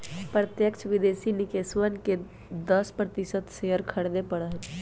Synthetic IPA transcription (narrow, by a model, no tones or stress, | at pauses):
pɾət̪jəkt͡ʃʰʋid̪eːsinɪkesʋənke | d̪əspɾət̪isət̪seəɾkʰəɽd̪epəɽəɦ